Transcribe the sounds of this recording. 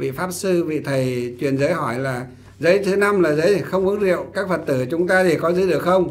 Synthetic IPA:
vḭ˧˨faː˦˥p̚sɨ˧vḭ˧˨t̪ʰə˨˩jt͡ɕwi˨˩ənzəː˨˦jhɔ˧˩jlaː˨˩ | zəː˨˦jt̪ʰe˨˦na˧mlaː˨˩zəː˨˦jxə˧wŋ͡mʔɨ˨˦əŋzḭ˧˨əwkaː˦˥k̚fə˨˩t̚t̪ɨ˧˩t͡ɕʊ˨˦ŋ͡mt̪aː˧t̪e˧˩kɔ˨˦zɨ̰˧˨˦ɗɨ˨˩əkxə˧wŋ͡m

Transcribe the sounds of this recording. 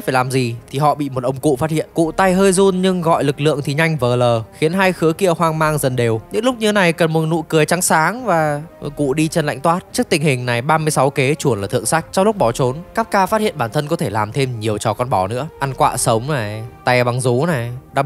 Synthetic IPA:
faː˧˩jlaː˨˩mzi˨˩t̪ʰi˨˩ɦɔ̰˧˨ɓḭ˧˨mo˨˩t̚ʔə˧wŋ͡mkṵ˧˨faː˦t̚hḭ˧˨ənkṵ˧˨t̪a˧jɦəː˧jzu˧nɲɨ˧ŋɣɔ̰˧˨jlɨ˨˩k̚lɨ̰˧˨əŋt̪ʰi˨˩ɲa˧jŋ̟vəː˨˩ləː˨˩xi˨˦ənɦaː˧jxɨ˨˦əki˧˨əhwaː˧ŋmaː˧ŋzə˨˩nɗe˨˩wɲɨ̰˧˥ŋlʊ˦˥k͡p̚ɲɨ˧e˦na˨˩jkə˨˩nmo˨˩t̚nṵ˧˨kɨ˨˩əjt͡ɕa˨˦ŋsaː˨˦ŋvaː˨˩kṵ˧˨ɗi˧t͡ɕe˧nla̰˧˨ŋt̪waː˦˥t̚t͡ɕɨ˦˥ək̚t̪ï˨˩ŋ̟hï˨˩ŋ̟na˨˩jɓaː˧mɨ˧əjsa˨˦wke˨˦t͡ɕu˧˩ənlaː˨˩ɨ̰˧˨əŋsa˦˥jk̟̚t͡ɕɔ˧ŋ͡mlʊ˦˥k͡p̚ɓɔ˧˩t͡ɕo˨˦nkaː˦˥kːaː˧faː˦˥t̚hḭ˧˨ənɓaː˧˩nt̪ʰə˧nkɔ˨˦t̪ʰe˧˩laː˨˩mt̪ʰe˧mɲi˨˩əwt͡ɕɔ˨˩kɔ˧nɓɔ˨˩nɨ̰˧˥əʔa˧nkwa̰ː˧˨sə˨˦wŋ͡mna˨˩jt̪a˨˧˩ɓa˨˩ŋzu˨˦na˨˩jɗaː˧˥

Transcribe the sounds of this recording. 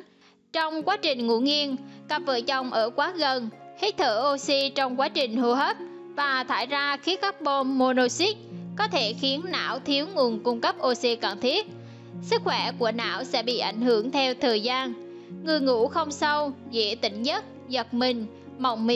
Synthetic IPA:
t͡ɕɔ˧wŋ͡mkwaː˨˦t͡ɕï˨˩ŋ̟ŋṵ˧˥ŋi˧ənka˨˩p̚və̰ː˧˨˩t͡ɕə˧˩wŋ͡mʔəː˧˩kwaː˨˦ɣə˨˩nhi˦˥k̚t̪ʰəː˧˩ʔo˧si˧t͡ɕɔ˧wŋ͡mkwaː˨˦t͡ɕï˨˩ŋ̟hu˧ɦəː˦˥p̚ | vaː˨˩t̪ʰaː˧˩jzaː˧xi˨˦əka˦˥k̚ɓo˧nːo˧no˧si˦˥t̚kɔ˨˦t̪ʰe˧˩xi˨˦ənːa̰ː˧˥wt̪ʰi˨˦əwŋu˨˩ənkʊ˧ŋ͡mkə˦˥p̚ʔo˧si˧kaː˨˩ŋt̪ʰi˦˥ət̚ | sɨ˦˥k̚xwɛ˧˩ku˧˩əna̰ː˧˥˨wsɛ̰˧˥ɓḭ˧˨ʔa˧˩jŋ̟hɨ˧˩əŋt̪ʰɛ˧wt̪ʰəː˨˩jzaː˧n | ŋɨ˨˩əjŋṵ˧˥xə˧wŋ͡msə˧wzḛ˧˥t̪ï˧˩ŋ̟zə˦˥t̚ | zə˨˩t̚mï˨˩ŋ̟ | ma˨˩wŋ͡mmi˧˨

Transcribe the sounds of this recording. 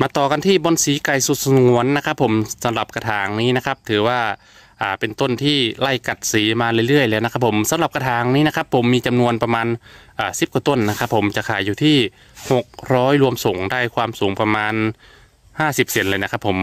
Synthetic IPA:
maː˧t̪ɔː˨˩ka˧nt̪ʰiː˥˩bɔː˧nsiː˨˦ka˧˩jsu˨˧˩t̪̚sŋu˨˩˦ənːa˦˥kʰa˦˥pʰːo˩˦msa˨˦mla˨˩p̚ka˧t̪ʰaː˨˩˦ŋniː˦˥˩na˦˥kʰa˦˥p̚t̪ʰɯː˨˩˦waː˧˥˩ | ʔaː˨˩pe˧nt̪o˥˩nt̪ʰiː˥˩la˧˩jka˨˩t̪̚siː˨˦maː˧lɯ˧˩˧jlɯ˥˩əjlɛː˧˩wna˧˥kʰa˦˥pʰːo˩˦msa˨˦mla˨p̚ka˧t̪ʰaː˨˦ŋniː˧˥na˧˥kʰa˦˥pʰːo˩˦mːiː˧t͡ɕa˧mnu˧ənpa˧maː˧nʔaː˨˩si˨˦p̚kɔː˧˦t̪o˥˩˨nːa˧kʰa˦˥pʰːo˩˦mt͡ɕa˨˩kʰaː˨˩jːuː˨˧˩t̪ʰiː˥˩ | ho˨˩k̚ɾɔː˦˥jlu˧əmso˩˦ŋdaː˥˩jkʰwaː˧msuː˩˦ŋpa˧maː˧n | haː˥˩si˨˩p̚se˨˩˦nlɤː˧jna˧˥kʰa˦˥pʰːo˩˦m

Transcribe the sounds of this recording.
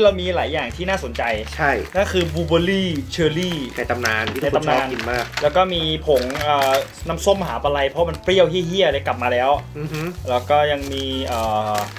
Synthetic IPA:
ɾa˧wmiː˧laː˩˦jːaː˨˩ŋt̪ʰiː˥˩naː˥˩so˩˦nt͡ɕa˧jt͡ɕʰa˥˩jna˥˩kʰɯː˧buː˧bɤː˧liː˥˩t͡ɕʰɤː˧liː˥˩na˧jt̪a˧mnaː˧nʰiː˦˥na˧jtt̪a˧mnaː˧ni˧˩maː˥˩k̚lɛː˦˥wkɔː˥˩miː˧pʰo˩˦ŋʔəː˨˩na˦˥mso˥˩mɦaː˩˦pa˧la˧jpʰɔ˦˥ma˧npɾi˥˩əwɦi˥˩ɦi˥˩əla˧jkla˨˩p̚maː˧lɛː˦˥wlɛː˦˥wkɔː˥˩ja˧ŋmiː˧ʔəː˨˩

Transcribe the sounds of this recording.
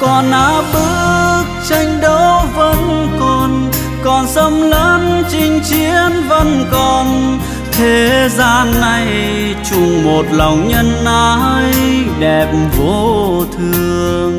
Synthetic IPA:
kɔ˨˩nʔaː˧˦ɓɨ˦˥ək̚t͡ɕa˧jŋ̟ɗə˨˦wvə˧˥nkɔ˨˩n | kɔ˨˩nsə˧mləː˨˦nt͡ɕï˧ŋ̟t͡ɕi˨˧˦ənvə˧˥nkɔ˨˩n | t̪ʰe˨˦zaː˧nːa˨˧˩j | t͡ɕʊ˧˩ŋ͡mmo˨˩t̚la˨˩wŋ͡mɲə˧nʔa˧jɗɛ˨˩p̚mvo˧˩t̪ʰɨ˧əəŋ

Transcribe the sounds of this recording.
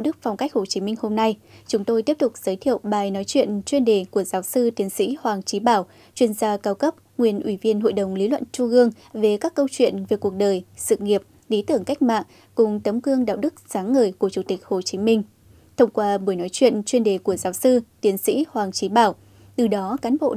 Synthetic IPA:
wɗɨ˦˥k̚fa˨˩wŋ͡mka˦˥jk̟̚ho˨˩t͡ɕi˨˦mï˧ŋ̟ho˧mna˧jt͡ɕʊ˨˦ŋ͡mt̪o˧jt̪i˦˥əp̚t̪ʊ˨˩k͡p̚z̥əː˨˦jt̪ʰḭ˧˨əwɓaː˨˩jnɔ˨˦jt͡ɕwḭ˧˨ənt͡ɕwi˧nɗe˨˩ku˧˩əzaː˨˦wsɨ˧t̪i˨˦ənsḭ˧˥hwaː˨˩ŋt͡ɕi˨˦ɓaː˧˩w | t͡ɕwi˧ənzaː˧kaː˧wkə˦˥p̚ŋwi˨˩ənʔwi˧˩vi˧ənɦo̰˧˨jɗə˨˩wŋ͡mli˨˦lwə̰˧˨nt͡ɕu˧ʔɨ˧əŋ | ve˨˩kaː˦˥kːə˧wt͡ɕwḭ˧˨ənve˨˩ku˨˩ək̚ɗəː˨˩jsɨ̰˧˨ŋi˨˩əp̚ | li˨˦t̪ɨ˧˩əŋka˦˥jk̟̚ma̰ː˧˨ŋ | kʊ˨˩ŋ͡mt̪ə˨˦mkɨ˧əŋɗa̰ː˧˨wɗɨ˦˥k̚zaː˨˦ŋːəː˨˩jku˧˩ət͡ɕu˧˩t̪ï˨˩k̚ho˨˩t͡ɕi˨˦mï˧ŋ̟ | t̪ʰə˧wŋ͡mkwaː˧ɓu˧˩əjnɔ˨˦jt͡ɕwḭ˧˨ənt͡ɕwi˧ənɗe˨˩ku˧˩əzaː˨˦wsɨ˧t̪i˨˦ənsḭ˧˥hwaː˨˩ŋt͡ɕi˨˦ɓaː˧˩w | t̪ɨ˨˩ɗɔ˨˦kaː˨˦nɓo̰˧˨

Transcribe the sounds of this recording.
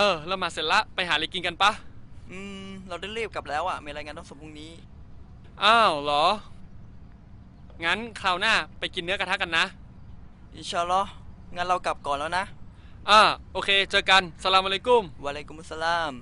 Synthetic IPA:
ʔɤː˧˩lɛ˧˩wmaː˧˩se˨˩˦la˦˥ʔpa˧jɦaː˩˦le˧˩ki˧nka˧npa˦˥ʔɯː˧mɾa˧wdaː˥˩jɾiː˥˩p̚ka˨˩p̚lɛː˦˥wʔa˨˩miː˧ɾa˧jŋaː˧nt̪ʰŋsɔ˧˨˩pu˧˩ŋniː˦˥ | ʔaː˧˩wlɔː˨˩˦ | ŋa˦˥˨nkʰaː˧˩wnaː˥˩pa˧jki˧nːɯ˦˥ɐka˧tʰa˦˥ka˧nːa˦˥ʔ | ʔi˧nt͡ɕʰaː˧lɔ˦˥ŋa˧nɾa˧wka˨˩p̚kɔː˨˩nlɛː˦˥wna˦˥ʔ | ʔaː˧˩ʔoː˧kʰeː˧t͡ɕɤː˧ka˧nsa˧laː˧mʔa˧le˦˥ku˧˩mwa˧leː˧ku˧mʔsːa˧laː˧˩m

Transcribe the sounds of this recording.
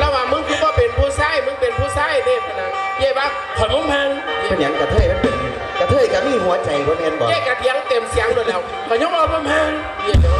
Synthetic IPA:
lɛ˧˥˨waː˧˩mɯ˧˥˨ŋkʰɯ˧˦t̚bɔː˧˩˨pe˨npʰuː˧˩saː˧˥˨jmɯ˧˥˨ŋpe˨˩npʰuː˧˩˨saː˧˥˨jneː˧˩ka˧˩na˧˩ | ji˧˩˨waː˧˩ | kʰɔː˨˩nmo˧˥˨mha˧˨ŋ˧˩˨ɲa˨˧˦ŋka˨˧˩t̪ʰɤː˧˩jm˧˥˩pe˨˩n˧˩ | ka˧˩t̪ʰɤː˧˩˨jka˧˩miː˧˥˨hu˨˦ɐt͡ɕa˨˩jku˧˦n˧e˧˥˨ndɔː˨˦ɛː˧˩ka˧˩t̪ʰi˨˦ŋt̪e˨msi˨˦ŋdlɛː˧˩˨w | kɔː˧˩ɲo˧˥˨ŋ̚lɔː˧˨pʰɯ˧˥˨mha˧˥˨ŋ˧˩˨

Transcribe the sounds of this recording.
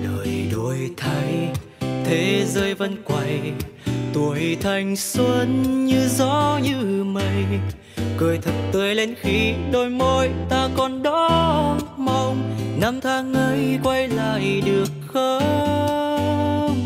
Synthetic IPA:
ɗə˨jɗo˨˩jt̪ʰa˧˩ŋ̟ | t̪ʰe˨˦zəː˧jvə˧nkwa˨˧˩j | t̪u˨˩əjt̪ʰa˨˩jŋ̟swə˧nɲɨ˧zɔ˧˦ɲɨ˧mə˧˩j | kəː˧˩jt̪ʰə˨˩t̚t̪əː˧˦jle˧nxi˧ɗo˧˩jmo˧jt̪aː˧kɔ˨˩nɗɔ˧˦ | ma˧wŋ͡mna˧mt̪ʰaː˧ŋʔə˧˦jkwa˧jla̰ː˧˨jɗɨ˨˩ək̚xə˧

